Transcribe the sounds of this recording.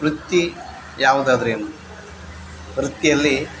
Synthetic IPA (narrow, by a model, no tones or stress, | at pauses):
ɾut̪ːi | jaːʋud̪ad̪ɾeːnu | ʋɾut̪ːijɐlːi